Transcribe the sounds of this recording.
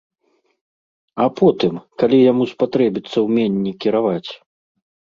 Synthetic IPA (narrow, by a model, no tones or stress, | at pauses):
apʰɔt̪ɨmkalʲijamuspat̪ɾɛbʲit̪sːɐwmʲɛnʲːikʲiɾavat͡sʲ